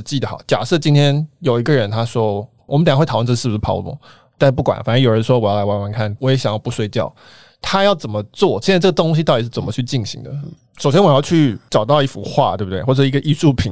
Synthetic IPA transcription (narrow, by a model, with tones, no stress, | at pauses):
t͡ɕi˥˩d̪ə˩xɑ̰˨˩ʊt͡ɕja̰˨˩ʂɤ˥˩t͡ɕi˥nt̪ʰjɛ˥njo˨˩ʊi˧˥ɡə˧ɻə˧˦˥nt̪ʰa˥ʂwɔ˥ | wɔ˨˩m˦nt̪ə˨˩˥xt̩ʰ˨˩˥ɑ˥ʊlwɔ̰˥˦ | t̪a˥˧ʂ̩˥pu˥˩kwa̰˨˩nfa˨˩nə˥njo˨˩ʊɻə˧˦nʂwɔ˥wɔ˨˩jɑ˥˩la˧˥ɪwa˧˥nwa˧˥nkʰa˥˩nwɔ˧˥jɛ˧˥ɕjɑ˨˩ŋjɑ˥˧ʊpu˧˩swe˥ɪt͡ɕjɑ˥˩ʊ | t̪ʰa˥jɑ˥˩ʊt͡sə˨˩nmə˦t͡swɔ˥˩ɕjɛ˥˧na˥ɪʈ͡ʂɤ˥˩ɡə˩t̪ŋɕi˧t̪ɑ˥˩t̪i˩ʂɻ̩˥˩t͡sə˨˩mə˦t͡ɕʰy˥˧t͡ɕi˥˩nɕḭ˧˥ŋd̪ə˦ | ʂo˨˩ʊɕjɛ˥nwjɑ˥˧ʊt͡ɕʰy˥˩ʈ͡ʂɑ˨˩ʊt̪ɑ˥˧ʊi˧˥fṵ˨˩xwa̰˥˧t̪we˥˩bu˩t̪we˥˩xɔ˥˩ə˩ʂ̩˥˧ɡə˧ʔi˥˧ʂu˥˩pʰḭ˨˩˦